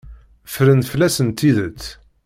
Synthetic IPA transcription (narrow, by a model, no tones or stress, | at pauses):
fɾənt̪flæsənt̪ːiðət͡sː